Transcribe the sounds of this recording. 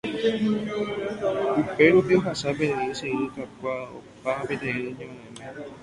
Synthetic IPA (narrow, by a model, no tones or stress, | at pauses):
upeɾupioɦasapet̪eiseĩikakʷao̰paapet̪eenod͡ʒeãnãmẽ